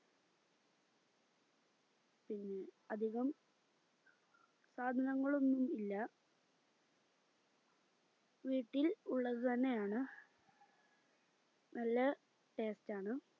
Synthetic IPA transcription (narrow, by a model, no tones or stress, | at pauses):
pinːe̞ɐd̪ʱiɣɐm | saːd̪ʱɐnɐŋːɐɭo̞nːumilːɐ | ʋiːʈːiluɭːɐðɨt̪ɐnːe̞jaːɳɨ | nɐlːɐ | ʈe̞ːstaːɳɨ